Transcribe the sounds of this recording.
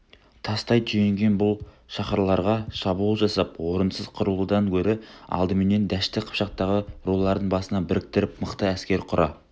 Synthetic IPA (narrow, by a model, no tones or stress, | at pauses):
t̪ʰɑst̪ɑjt̪ʰʏjeŋɡʲe̞nbʊlˠ | ʃɑχɑɾlˠɑɾʁɑʃɑbuulˠʒɑsɑp̚wo̞ɾənsəz̥qʰʊɾəlˠud̪ɑŋkʲʰɵɾɪɑ̰lˠd̪əmɪne̞nd̪æʃt̪ɪqʰə̥pʃɑq̚t̪ɑʁəɾo̞lˠlˠɑɾd̪əɴbɑsənɑbɪɾɪk̚t̪ɪɾɪpməqt̪əæskʲe̞ɾqʰʊɾʔɑ